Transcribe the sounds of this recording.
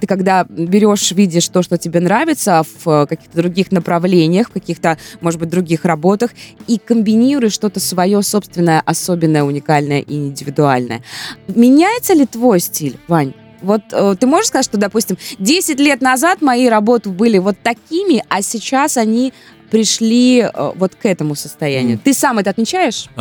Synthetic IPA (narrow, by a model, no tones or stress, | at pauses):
t̪ɨkɐɡd̪abʲɪɾʲo̞ʂvʲidʲɪʂt̪o̞ʂt̪otʲɪbʲenɾavʲɪt̪səfəkɐkʲi̥xt̪əd̪ɾʊɡʲixnəpɾɐvlʲenʲɪjəxfkɐkʲixt̪əmo̞ʐɨbɨt̚ʲd̪ɾʊɡʲixrɐbo̞t̪əxikəmbʲɪnʲiɾʊjɪʂt̪o̞t̪əsvɐjo̞so̞pst̪vʲɪnːəjəʔɐsobʲɪnːəjəʊnʲɪkalʲnəjə̰ʔiɪnʲdʲɪvʲɪd̪ʊa̰lʲnə̰jə̰mʲɪnʲæjɪt̪səlʲɪt̪vo̞jsʲtʲilʲvanʲ | vo̞t̪ət̪ːɨmoʐɨʂkɐzat̪ʲʂt̪od̪ɐpusʲtʲɪmdʲesʲɪtʲlʲet̪nɐzat̪mɐiɾɐbo̞t̪ʊbɨlʲɪvo̞t̪ːɐkʲimʲɪʔɐsʲɪt͡ɕasɐnʲi | pɾʲɪʂlʲiə̰vo̞t̪kɛt̪əmʊsəst̪ɐjæ̰nʲɪ̰jʊt̪ɨsamɛt̪əɐt̪mʲɪt͡ɕæjɪʂ